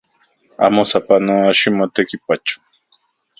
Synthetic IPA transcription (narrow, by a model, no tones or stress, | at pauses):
a̰mosapanoaʃimot̪ekipat͡ʃʊ̥